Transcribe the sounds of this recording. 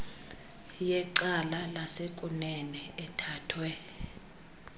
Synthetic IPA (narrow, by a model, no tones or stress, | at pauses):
jɛǀalalasekʼunɛnɛɛtʰaːtʰwɛ